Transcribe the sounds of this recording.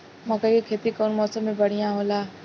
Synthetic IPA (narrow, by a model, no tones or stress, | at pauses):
mɐkəikʰeːt̪ikɔːnmɔːsəmːẽbɐɽ̤ijãɦoːlaː